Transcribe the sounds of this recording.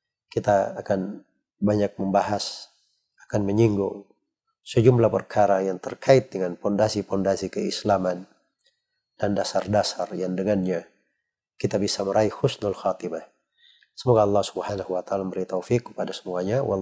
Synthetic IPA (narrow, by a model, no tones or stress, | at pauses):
kit̪aːkan | baɲak̚məmbaɦas | akanməɲiŋɡuŋ | səd͡ʒumlapərkʰaɾajaŋt̪ərkʰaɪt̪̚dəŋanpɔndasipɔndasikəislaman | d̥andasardasarjaŋdəŋanɲa | kit̪abisaməɾʔaihʊsnalxat̪imah | səmoɡaɑlˠːɑhsubhanahuwat̪aːlaməɾit̪awfikːə̥padasə̥muaɲawɑ